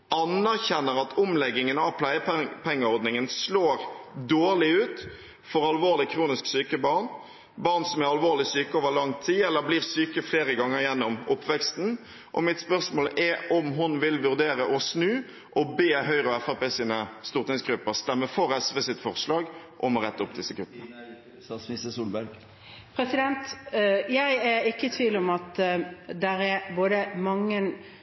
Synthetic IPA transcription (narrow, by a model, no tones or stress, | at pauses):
ʔɑnæʁçɛnːəɾɑt̪ʰʊmlɛɡːɪŋənɑʋpʰlæɪəpʰɛŋːəɔɾd̪nɪŋənsloːɾd̪oːʁlɪʉːt̪ | fɔɾɑlʋoːʁlɪkʰɾuːnɪsksyːkəbɑɾn | bɑːɾnsɔmæɾɑlʋoːʁlɪsyːkəoːʋəʁlɑŋt̪ʰiːɛlːəɾbliːʁsyːkəfleːɾəɡɑŋːəɾjɛnːɔmʊpːʋɛkst̪n̩ | ʔɔ̰mɪt̪spœʁsmoːlʔɛʔɔmɦʊnʋɪlʋʉʁd̪eːɾəʔɔsnʉː | ʔɔbeːɦœʏʁəɔɛfæpɛsiːnəst̪uːʁt̪ɪŋsɡɾʉpːəʁst̪ɛmːəfɔʁɛsʁəsɪt̪fɔʁslɑːɡʔɔmɔʁɛt̪ːʊpːd̪ɪsːəkʰʉt̪ːnə | ɪsəsuːlbæɾɡ | pʰɾɛsɪd̪ɛnt̪jæɪæɾɪkːət̪ʰʋiːlɔmɑt̪d̪ɛɾɛɾboːd̪əmɑŋːən